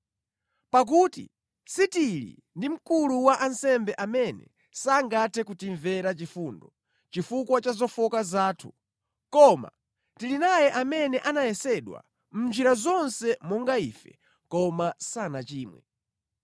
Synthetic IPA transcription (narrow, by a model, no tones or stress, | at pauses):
pak̬utḭ | sitiɾḭ | ndim̩kuluwaʔansɛmbɛʔamɛnɛ̰ | saŋɡatʰɛk̬utiɱvɛɾat͡ʃifundɔ | t͡ʃifukwat͡ʃazɔfɔkazaːtʰu̥ | kɔma̰ | tilinajɛʔamɛnɛʔanajɛsɛɗwa̰ | m̩nd͡ʒiɾazɔnsɛmɔŋɡaifɛ̰ | kɔmasanat͡ʃiːmwɛ̰